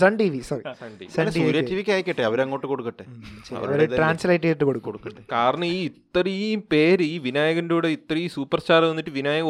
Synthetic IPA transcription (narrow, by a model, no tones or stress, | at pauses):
sɐɳɖiʋisɐrisɐɳɖḭʋiɐnesuɾjɐtːiʋikʲːaːjɐkʲːɐʈːeɐʋɐɾɐŋːo̞ːʈːɨko̞ɽukːɐʈːɨsɐ̰ʋɐɾɐɾeðraːnslɐjʈ̬ːeʈːɨkoɽukːoɽukːɐʈːɨkaːɾɐɳɐmiːit̪ːripeːɾɨiːʋinaːjɐɣɐnduːɽeit̪ːɐrɐiːsuːpːɐrstaːrɐnːitːɨʋinaːjɐɣɐ